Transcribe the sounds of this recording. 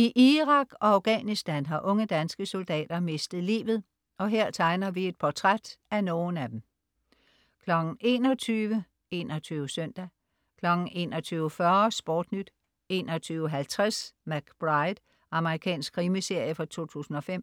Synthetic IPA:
iʔiʁɑ̈ɡ̥ɒ̽ɑ̈ʊɡ̥ɛ̰nisd̥ænɦɑ̈ʔɔ̽ŋəd̥ænsɡ̥əso̝ld̥ɛ̰ːd̥ɐme̝sd̥ð̩ˠlḭːʋð̩ˠ | ɒ̽ɦeɐ̰t͡sʰɑ̈ɪnɐʋie̝d̥̚pʰɒt͡sʰʁad̥æno̝ːn̩æd̥em̩ | kʰlɒ̽ɡ̥n̩e̝ːnɒ̽t͡sʰyːʋə | e̝ːnɒt͡sʰyːʋəsœn̰d̥æ | kʰlɒ̽ɡ̥n̩e̝̰ːnɒ̽t͡sʰyːʊəfɶɐsb̥oːd̥nyd̥ | e̝ːnɒ̽t͡sʰyːʊəɦælt͡sʰʁasmæɡ̥b̥ʁɑɪd̥ | ɑ̈məʁikʰɛ̰ːnsɡ̥ʰʁiːməse̝ɐ̰jəfɑt͡sʰo̝̰ːt͡sʰṵːsn̩ɒ̽fem̰

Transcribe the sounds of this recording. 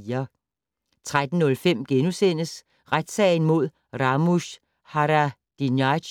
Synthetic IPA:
ɐ | t͡sʰʁad̥n̩ːɔ̽lfem̰ɡ̥enusen̰əs | ʁad̥sɛ̰ːɪn̩mo̝ð̞̰ˠ | ʁɑ̈mus | hɑʁæ | d̥injɑ

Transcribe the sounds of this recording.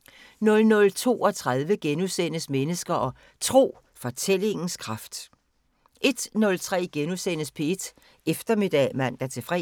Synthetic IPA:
nɔ̽lnɔ̽lt͡sʰo̝̰ːɒ̽t͡sʰʁað̞ˠʋəɡ̥enusen̰əsmenəsɡ̥ɐʔɒ̽ | t͡sʰʁo̝̰ː | fɒ̽t͡sʰel̰e̝ŋn̩skʰʁɑ̈fd̥ | ʔe̝d̥nɔ̽lt͡sʰʁɛ̰ːɡ̥enusen̰əspʰeed̥ | efd̥ɐme̝d̥ɛ̰mæn̰d̥æt͡sʰe̝fʁɛ

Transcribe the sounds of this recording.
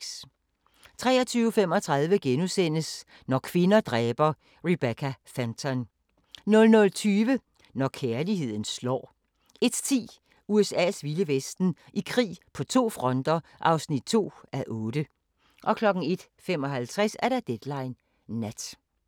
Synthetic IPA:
t͡sʰʁɛ̰ːɐt͡sʰyːʊfem̰ɒ̽t͡sʰʁɑ̈ðˠʋəɡ̥enusen̰əs | nɒkʰʋe̝nɐd̥ʁɛːb̥ɐ | ʁib̥ekʰæfænt͡sʰɐn | nɔ̽lnɔ̽lt͡sʰyːʋə | nɒkʰeɐliɦe̝ð̰ˠn̩slɒ̰ː | e̝d̥t͡sʰḭː | uesɛ̰ːsʋiləʋesd̥n̩ʔikʰʁḭːpʰɒ̽t͡sʰo̝̰ːfʁɒ̽nd̥ɐʔɑ̈ʊsnid̥̚t͡sʰo̝̰ːæʔɔ̽ːd̥ə | ʔɒ̽kʰlɒ̽ɡ̥n̩e̝d̥ | femɒ̽ɦælt͡sʰʁɛsæɐɾ̥ɑd̥ed̥lɑ̈ɪnː | æd̥

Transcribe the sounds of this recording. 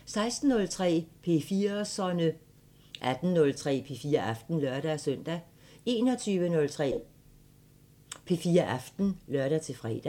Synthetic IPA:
sɑ̈ɪsd̥n̩ːɔ̽lt͡sʰʁɛ̰ːpʰe̝fiːɐsɒnə | ʔæd̥n̩nɔ̽lt͡sʰʁɛ̰ːpʰe̝fiːɐʔɑfd̥n̩lɶɐɾ̥æsœn̰d̥æ | e̝ːnɒ̽t͡sʰyːʋənɔ̽lt͡sʰʁɛ̰ | pʰe̝fiːɐʔɑfd̥n̩lɶɐɾ̥æt͡sʰe̝fʁɛ̰ːd̥æ

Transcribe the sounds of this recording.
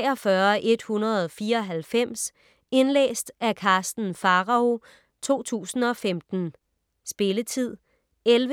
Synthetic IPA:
ɒ̽fɶɐʔe̝d̥hunɐð̞̩ˠɒfiːɐɒ̽ɦælfem̰s | e̝nlḛːsd̥ækʰɑ̈ːsd̥n̩fɑ̈ʁɑ̈o̝ | t͡sʰo̝̰ːt͡sʰṵːsn̩ɒ̽femd̥n̩ | sb̥e̝lət͡sʰið̰ˠ | elʋ

